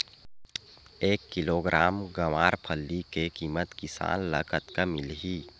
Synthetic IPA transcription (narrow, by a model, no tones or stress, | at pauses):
eːkːɪloːɡɾʔaːmɡɐʋaːɾpʰəlːikekiːmət̪kɪsa̰ːnlə̰kət̪kəmɪlɦiː